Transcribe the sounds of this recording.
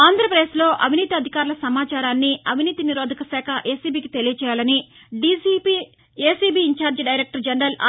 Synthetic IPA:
aːnd̪ʱɾɐpɐd̪eːslo̞ːʔɐʋiniːt̪iɐd̪ʱikaːɾulɐsɐmaːt͡ʃaːɾaːnːiɐʋiniːt̪iniɾoːd̪ʱɐkɐsɛːkʰɐʔe̞ːsiːbiːkit̪e̞lijɐt͡ʃɛːjaːlɐni | ɖisiːpiː | eːsiːbiːɲt͡ʃaːɾd͡ʒɖɐjɾeːk̚ʈɐɾd͡ʒɐnɐɾɐla̰

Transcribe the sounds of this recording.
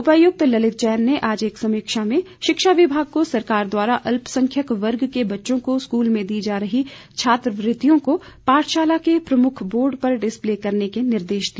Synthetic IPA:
ʊpəjʊk̚t̪lɐlɪt̪̚t͡ʃɛːnːeʔaːd͡ʒeːksɐmiːkʃamẽʃɪkʃaʋɪbʱaːɡ̚kosɐɾkaːɾd̪waːɾaʔɐlpsɐ̃ŋkʰjəkʋɐɾɡkebɐtːʃõkoskuːlmẽd̪iːd͡ʒaːɾɐɦi | t͡ʃʰaːt̪ɾəʋɾɪt̪ijõkopaːʈʰʃaːlakepɾɐmʊkʰboːɾɖpɐɾɖɪspleːkɐɾnekenɪɾd̪eːʃd̪iː

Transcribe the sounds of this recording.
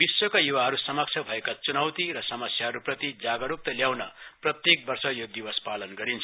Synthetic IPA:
biswokajuwaɦʌɾusʌmʌk̚t͡sʰʌbʱʌekat͡sunʌwt̪iɾʌsʌmʌsjaɦʌɾuprʌt̪id͡zaɡʌɾuk̚t̪ʌljawnʌprʌt̪jek̚bʌrsʌjod̪ibʌspalʌnɡʌɾint͡sʰʌ

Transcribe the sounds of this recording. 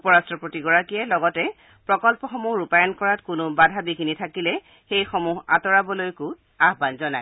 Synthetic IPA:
upɔɹastɹɔpɹotiɡɔɹakijɛlɔɡɔtɛ | pɹɔkɔlpɔxɔmuɦɹupajɔnkɔɹatkʊnʊbadʱabiɡinitʰakilɛ | xejxɔmuɦa̰tɔɹabɔlojkʊ | aɦbanzɔnaj

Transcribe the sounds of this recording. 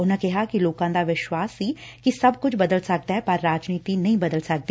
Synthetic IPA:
ʊnãːkɪɦaːkiloːkãːd̪aːʋɪʃwaːsːiːkisɐbkʊt͡ʃʰbəd̪əlsək̚d̪aɦɛːpəɾːaːd͡ʒniːt̪iːnəɦĩːbəd̪əlsək̚d̪iː

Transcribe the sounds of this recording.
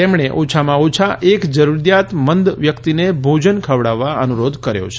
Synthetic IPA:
t̪emɳeʔot͡ʃʰamãot͡ʃʰaʔekd͡ʒəɾuɾjat̪mənd̪ʋjəkt̪inebʱod͡ʒənkʰəʋɽaʋːaənuɾod̪ʱkəɾjo̰t͡ʃʰe̥

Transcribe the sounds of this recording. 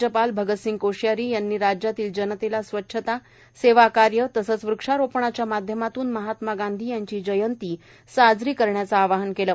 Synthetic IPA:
əpalbʱəɡət̪siŋɡkoɕjaɾiːjanːiːɾad͡ʑjat̪iːld͡ʑənət̪elasʋətːɕʰət̪a | seʋakaɾjət̪əsəːt͡sʋɾukʂaɾopɳat͡ɕjamad̪ʱjəmat̪uːnməɦat̪maɡãnd̪ʱiːjaɲt͡ɕiːd͡ʑəjənt̪iː | sad͡zɾiːkəɾɳjat͡saːʋaɦənkelə

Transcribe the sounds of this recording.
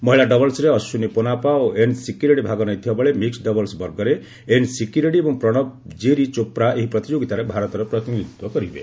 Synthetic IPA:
mɔɦiɭaɖɔbɔlsɾeɔsuniponapaoʔensikjuɾeɽibʱaɡɔnɔjt̪ʰibɔbɔɭemiksɖɔbɔlsbɔɾɡɔɾe | ensikjuɾeɽiebɔŋpɾɔɽ̃ɔbd͡ʒeɾit͡ʃopɾaʔeɦipɾɔt̪id͡ʒoɡit̪aɾebʱaɾɔt̪ɔɾɔpɾɔt̪iniud̪wɔkɔɾibḛ

